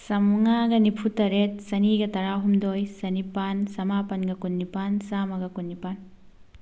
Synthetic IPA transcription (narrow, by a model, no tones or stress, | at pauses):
sɐmŋaɡɐnipʰutɐɾet̚sɐniɡɐtɐɾaɦumdojsɐnipansɐmapɐnɡɐkunːipansamɐɡɐkunːipan